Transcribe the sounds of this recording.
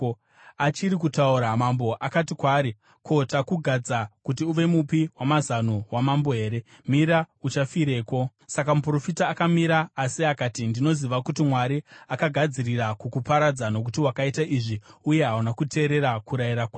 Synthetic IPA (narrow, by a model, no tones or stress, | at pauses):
at͡ʃiɾikutauɾamambo̞ʔakatikwaːɾi | kʰo̞takuɡʱad͡zakutiuʋe̞mupiwamazanowamambo̞ɦe̞ːɾe̞ | miɾaut͡ʃafiɾe̞ːko̞ | sakamupro̞fitaːkamiɾaːsiakaːtindino̞ziʋakutimwaɾiakaɡʱad͡ziriɾakukupaɾad͡zano̞k̬utiwakaitaʔiʐiuje̞ɦaunakutʰe̞ːɾe̞ɾakuɾaiɾakwa